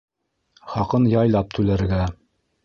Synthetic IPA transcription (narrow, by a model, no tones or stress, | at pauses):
χɑqɤnjɑjlˠɑp̚t̪ʉlæɾɡæ